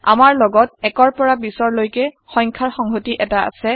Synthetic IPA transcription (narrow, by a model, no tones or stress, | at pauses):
a̰maɹlɔɡɔt̚ɛkɔɹpɔɹabisɔɹlojkɛ | xɔjŋkʰaɹxɔŋɦotiʔɛtaa̰sɛ